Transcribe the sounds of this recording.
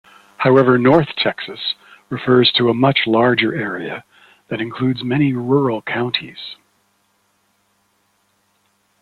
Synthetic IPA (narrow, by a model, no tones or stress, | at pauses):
haʊɛvə˞nɔɹθtʰɛksɨs | ɹɨfɜ˞z̥tʰəəmʌt͡ʃlɑɹd͡ʒə˞ʔɛɹiɨ̰ | ðɨɾɨ̃nkʰl̥ʉdzmɛɾ̃iɹʊɹl̩ˠkʰãʊ̃ntʰḭz̥